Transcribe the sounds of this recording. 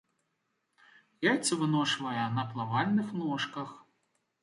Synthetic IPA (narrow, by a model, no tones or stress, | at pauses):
jajt̪t͡sʲsʲɐvɨnɔʂvɐjɐnɐplˠavalʲnɨxnɔʂkɐx